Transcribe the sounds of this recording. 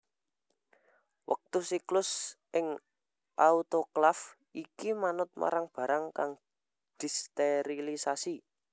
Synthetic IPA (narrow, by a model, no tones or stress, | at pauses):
wə̰k̚t̪usiklʊsʔɪŋ | ʔaut̪oklaf | ikimanʊt̪̚ma̰ɾaŋb̥ä̤ɾaŋkaŋ | d̪̥i̤st̪eɾilisasi